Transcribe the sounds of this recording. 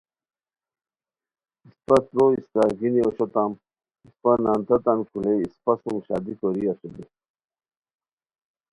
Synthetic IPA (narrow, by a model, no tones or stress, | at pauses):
ispɐsɾoist̪aːɡinioɕot̪am | ispanant̪ɐt̪ankuleispasumɕa̰ːd̪ikoɾiaɕud̪i